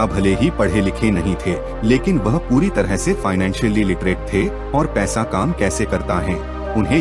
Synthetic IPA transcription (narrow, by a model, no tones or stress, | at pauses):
ɐbʱɐleɦipɐɽ̤elɪkʰenɐɦĩt̪ʰeː | leːkɪnʋɐɦpuːɾit̪ɐɾəɦsefaːɪnɛ̃ːnʃəlilɪʈɾeːʈ̚t̪ʰe | ɔːɾpɛːsakaːmkɛːsekɐɾt̪aɦɛ̃ː | ʊnɦẽ